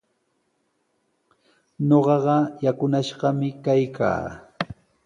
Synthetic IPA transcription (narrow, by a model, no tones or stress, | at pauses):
ɲoɢɑɢɑjakʊnaʃɢɑmɪkajkʰa̰ː